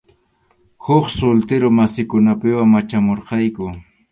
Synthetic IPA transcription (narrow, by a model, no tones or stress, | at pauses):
hʊχsʊlt̪ɪɾomasɪkʊnapɪwaŋːat͡ʃamoɾqɑjkʊ